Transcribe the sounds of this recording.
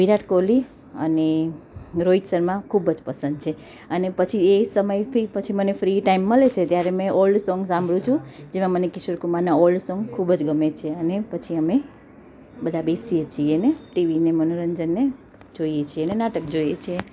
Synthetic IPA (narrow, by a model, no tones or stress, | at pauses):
ʋiɾaʈkoli | ə̰ne | ɾoid͡ʒsəɾmãkʰubəd͡ʒpəsə̃nd̪̚t͡ʃʰe | ənepət͡ʃʰiesəməjt̪ʰipət͡ʃʰimənefɾiʈaimːəlet͡ʃʰet̪jaɾemẽʔɔlɖsɔŋɡsãmbʱɽũt͡ʃʰũd͡ʒemãmənekɪsʋəɾkumaɾnaɔlɖsɔ̃ŋɡkʰubəd͡ʒɡəmet͡ʃʰeənepət͡ʃʰiəme | bəd̪ʱabesiet͡ʃʰieneʈiʋinemənoɾəɲd͡ʒənːe | d͡ʒoijet͡ʃʰienenaʈək̚d͡ʒoijet͡ʃʰie